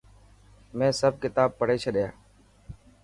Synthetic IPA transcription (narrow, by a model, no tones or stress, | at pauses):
mɛ̃ːsəb̚kɪt̪aːb̚pəɽ̤eːt͡ʃʰəɗɪja̰ː